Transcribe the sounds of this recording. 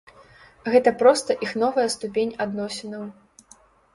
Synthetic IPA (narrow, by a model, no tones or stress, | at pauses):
ɣɛt̪ɐpɾɔst̪ɐʔixnɔvɐjɐst̪upʲenʲad̪nɔsʲɛnɐw